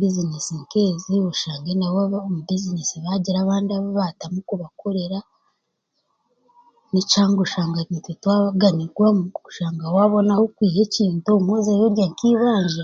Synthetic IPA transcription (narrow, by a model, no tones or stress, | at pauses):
bizinesiŋkeːzioʃaːŋɡenawaβomubizinesiβaɟiɾaːβaːndiaβoβatamukuβakʰoɾeɾa | nicaːŋɡoʃaːŋɡakitetwaːɡaniɡwamuʃaːŋɡawaːβo̞nahokwiːhe̞ciːntomwoːzajoɾjaŋkiβaːɲd͡ʒe